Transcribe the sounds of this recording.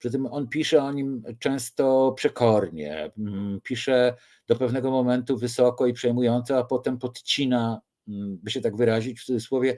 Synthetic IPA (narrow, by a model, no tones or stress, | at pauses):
pʂɘt̪̬ɘmɔnpʲiʂɛɔɲimt͡ʂɛ̃w̃st̪ɔpʂɛkʰɔɾɲɛ̰pʲiʂɛ | d̪̥ɔpɛvnɛɡɔmɔmɛnt̪uvɘsɔkɔipʂɛjmujɔnt̪sɔapɔt̪ɛmpɔt̪t͡ɕina | bɘɕɛt̪aɡvɘɾaʑit͡ɕft̪ud̪zɨswɔvʲjɛ